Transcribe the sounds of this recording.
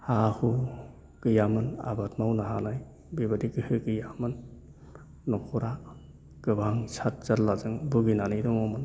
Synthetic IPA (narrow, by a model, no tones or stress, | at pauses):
hahu | kɯjamɯna̰batmawnaɦanaj | bibadikɯhɯkɯjamɯnː | ɔkʰɔɾa | kɯbʱaŋsʰat̚z̥aɾlazɯŋbuɡinanɯjdɔŋɔman